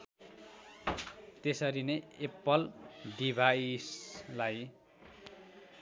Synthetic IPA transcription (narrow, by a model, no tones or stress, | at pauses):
t̪esʌɾineepːʌlɖibʱajslaj